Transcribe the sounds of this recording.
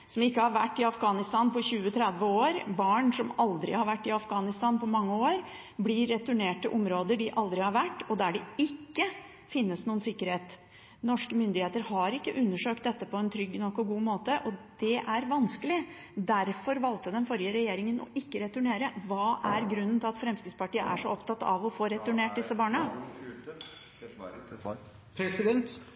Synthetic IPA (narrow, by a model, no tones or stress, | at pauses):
sɔmɪkːəhɑɾʋæ̰ʈːɪɑfɡɑːnɪst̪ɑːnpɔɕʉːət̪ʰɾɛd̪ʋəoːɾbɑːɳsɔmɑld̪ɾɪ̰hɑɾʋæʈːɪɑfɡɑːnɪst̪ɑːnpʰɔmɑŋːəoːɾ | blɪɾːɛt̪ʉɳeːʈəʔɔmɾoːd̪əɖɪʔɑld̪ɾɪhɑɾʋæʈːɔd̪æɖɛɪkːə | fɪnːəsnuːənsɪkːəɾheːt̪ | nɔʂkəmʏnd̪ɪheːt̪əɾhɑɾɪkːəʔʉnːəʂøːk̚t̪d̪ɛt̪ːəpʰɔɛnt̪ʰɾʏɡːnɔkːɔɡuːmoːt̪əʔɔd̪̥ɛʔæɾʋɑnskəlɪ | d̪æɾfɔɾʋɑlt̪əd̪ɛnfɔɾjəɾɛjeːɾɪŋənɔ̰ʔɪkːəɾɛt̪ʉɳeːɾəʋɑːʔæɾɡɾʉnːənt̪ɪlɑt̪fɾɛmskɾɪspɑʈiːə̰ʔæ̰ʂɔɔpt̪ʰɑt̪ːɑ̰ʋɔfoːɾɛt̪ʉɳeːʈ̚d̪ɪsːəbɑːɳə | pʰsɪd̪ɛnt̪